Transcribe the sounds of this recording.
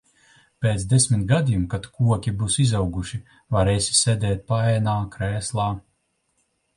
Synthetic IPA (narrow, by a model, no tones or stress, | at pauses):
peːt̪d̪esʲmʲit̪ɡad̪ijumkat̪kuɔkʲibusizawɡuʃi | vaɾɛːsʲi̥sʲed̪ʲɛːt̪̚paɛːnaːkɾɛːslˠaː